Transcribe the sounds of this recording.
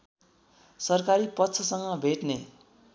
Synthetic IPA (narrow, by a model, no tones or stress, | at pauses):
sʌrkaɾipʌtːt͡sʰʌsʌŋɡʌbʱeʈne